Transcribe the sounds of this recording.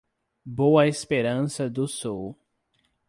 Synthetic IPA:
boɐespeɾɐ̃sɐd̪ʊsɔw

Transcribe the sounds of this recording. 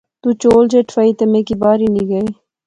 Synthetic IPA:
t̪uːt͡ʃoːld͡ʒeʈʰfɐit̪ɐmeːkibaːɾiniɡɐeː

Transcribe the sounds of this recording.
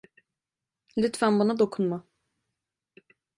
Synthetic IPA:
lʲyt̪vænbanad̪o̞kʰunma

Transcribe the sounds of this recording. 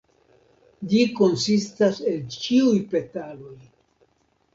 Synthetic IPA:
d͡ʒiko̞nsistase̞lt͡ʃiujpe̞talo̞j

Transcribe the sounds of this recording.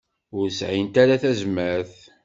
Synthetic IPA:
ʊɾsʕint̪aɾaθæzməɾθ

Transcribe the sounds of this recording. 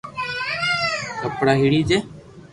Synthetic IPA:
kəpɽaːɦiːɽiːd͡ʒeː

